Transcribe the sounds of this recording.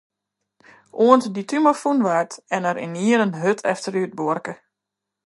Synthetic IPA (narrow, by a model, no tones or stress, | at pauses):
ʔuəntditymafunʋartɛnəɾɪ̰niəɾənɦøtʰɛ̰ftəɾyət̚boərkə